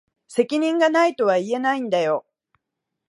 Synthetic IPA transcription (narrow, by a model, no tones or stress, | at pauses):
se̞kʲiɲ̟ĩŋɡanait̪o̞βaie̞naĩnd̪ajo̞